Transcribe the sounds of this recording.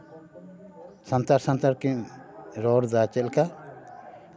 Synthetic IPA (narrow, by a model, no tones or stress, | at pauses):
sant̪aɾsãnt̪aɾkimɾɔɾd̪at͡ʃɛlka